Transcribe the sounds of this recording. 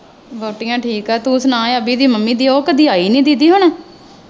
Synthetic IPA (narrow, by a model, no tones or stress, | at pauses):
boːʈɪjãːʈʰiːkɛːt̪ũsnãːəbiːd̪iːməmːĩːd̪iːoːkəd̪iːaːiːnĩːd̪id̪iːɦʊɳ̃aː